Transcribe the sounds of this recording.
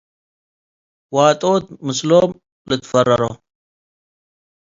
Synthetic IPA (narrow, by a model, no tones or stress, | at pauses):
waːt̪ʼoːt̪̚mɨsloːm | lɨt̪fɐrːɐɾo